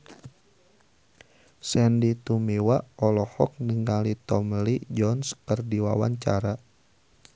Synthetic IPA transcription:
sɛndit̪umiwaɔlɔhɔk̚nəŋalit̪ɔmlid͡ʒɔnskərdiwawa̰ɲt͡ʃaɾa

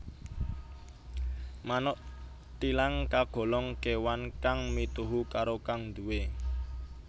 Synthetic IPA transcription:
manɔʔ | t̪ilaŋkaɡ̥ɔ̤lɔŋkewankaŋmit̪uɦukaɾokaŋd̪uwe

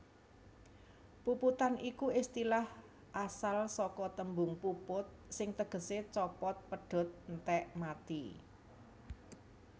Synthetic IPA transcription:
puput̪anʔikuɪst̪ilah | ʔasalsɔkɔt̪əmbʊŋpupʊt̪̚sɪŋt̪əɡ̥ə̤set͡ʃɔpɔt̪̚pəɖ̥ɔ̤t̪̚nt̪ɛʔmat̪i

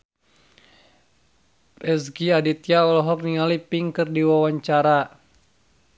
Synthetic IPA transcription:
ɛsɡiadit̪ijaɔlɔɦɔk̚niŋalipiŋkɨrdiwawaɲt͡ʃaɾa

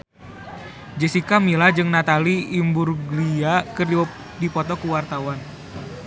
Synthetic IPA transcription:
d͡ʒəsikamilad͡ʒɨŋnat̪aliːmburɡliakɨrdi | dipɔt̪ɔkuwart̪awan

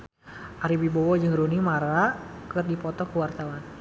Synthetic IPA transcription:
ʔaɾibibɔwɔd͡ʒɨŋɾunimaɾakɨrdipɔt̪ɔkəwart̪awan

